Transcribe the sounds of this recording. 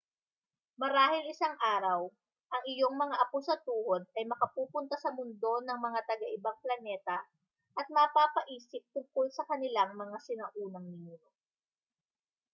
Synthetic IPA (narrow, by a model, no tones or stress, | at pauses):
mɐɾaːhɪlɪsaŋʔaːɾɐw | ʔɐŋɪjo̞ŋmɐŋaʔɐposɐt̪uːʔod̪̚ɐjmɐkɐpuːpʊnt̪asɐmʊnd̪o̞nɐŋmɐŋat̪ɐɡɐʔɪbaŋplɐnɛːt̪ɐ | ʔɐt̪̚mɐpaːpɐʔiːsɪp̚t̪ʊŋkolsɐkɐnɪlaŋmɐŋasɪnɐʔuːnɐŋniŋɾo